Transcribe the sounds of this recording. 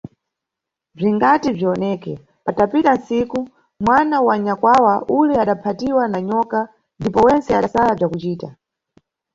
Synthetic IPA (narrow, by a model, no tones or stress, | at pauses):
b͡ʐiŋɡatib͡ʐiɔnɛkɛ̰ | patapitansiku | mwanawaɲakwawaʔulɛaɗapʰatiwanaɲɔka | ndipɔwɛnt͡sɛa̰ɗasalab͡ʐjakut͡ʃiːta̰